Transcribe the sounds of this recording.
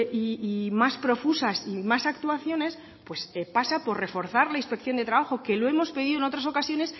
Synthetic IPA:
ʔiːmaspɾo̞fusasimasak̚t̪uaθjo̞ne̞s | pwe̞sepasapo̞ɾre̞fo̞ɾθaɾlainspe̞kθjo̞nd̪e̞t̪ɾaβaxo̞ke̞loe̞mo̞spe̞ðiðono̞t̪ɾas̬o̞kasjo̞ne̞s

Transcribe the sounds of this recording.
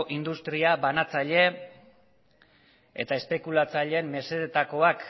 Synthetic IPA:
ʔind̪ust̪ɾiaβanat͡saʎe̞ | e̞̰t̪ae̞spe̞kulat͡saʎe̞ːmːe̞se̞ðet̪ako̞ak

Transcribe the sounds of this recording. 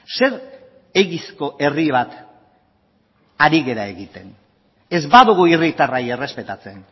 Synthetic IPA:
se̞ɾ | eɣisko̞ʔe̞riβ̞at̪ | aɾiɣe̞ɾae̞ɣit̪e̞n | e̞zbaðuɣuirit̪arajere̞spe̞t̪at͡se̞n

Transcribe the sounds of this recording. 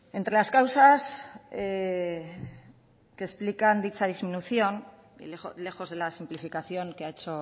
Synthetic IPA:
e̞nt̪ɾe̞laskawsase | kesplikand̪it͡ʃaðizminuθjo̞ŋ | ḭele̞xo̞zð̞e̞lasimplifikaθjo̞ŋkeae̞t͡ʃo

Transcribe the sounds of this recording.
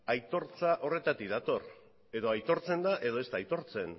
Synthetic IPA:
ajt̪o̞ɾt͡saʔo̞re̞t̪at̪ikd̪at̪o̞r | e̞ðo̞ajt̪o̞ɾt͡se̞nd̪aʔe̞ðo̞e̞st̪aːjt̪o̞ɾt͡se̞n

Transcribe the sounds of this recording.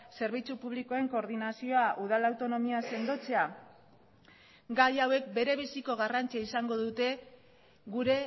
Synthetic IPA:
se̞ɾβ̞it͡supuβ̞liko̞e̞ŋko̞ːɾðinasio̞aʔuð̞alawt̪o̞no̞miase̞nd̪o̞t͡se̞a | ɡajawe̞k̚be̞ɾe̞β̞isiko̞ɣ̞arant͡siaisaŋɡo̞ðut̪e̞ | ɣuɾe̞

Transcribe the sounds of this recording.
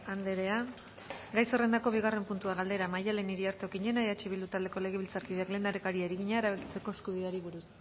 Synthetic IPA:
and̪eɾe̞a | ɡajsere̞nd̪ako̞β̞iɣare̞mpunt̪uaɣald̪e̞ɾamajale̞niɾiaɾt̪eokiɲe̞naeðat͡ʃiβild̪ut̪ald̪e̞ko̞le̞ɣ̞e̞βilt͡saɾkiðeakle̞ːnd̪aɾekaɾiaɾiɣiɲaeɾaβeki̥t͡se̞ko̞eskuð̞iðaɾiβuɾus

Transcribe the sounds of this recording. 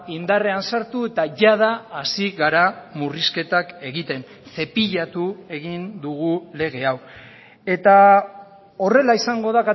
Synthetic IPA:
ind̪are̞ansaɾt̪ue̞t̪aʝaðaːsiɣaɾamuriske̞t̪ake̞ɣit̪e̞n | se̞piʎat̪ue̞ɣind̪uɣ̞ule̞ɣ̞e̞aw | e̞t̪a | o̞re̞laisaŋɡo̞ð̞aka

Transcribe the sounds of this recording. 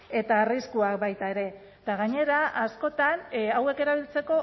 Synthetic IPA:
e̞t̪aːriskuak̚bajt̪ae̞ɾe̞ | t̪aɣaɲe̞ɾaʔasko̞t̪anawe̞ke̞ɾaβ̞ilt͡se̞ko̞

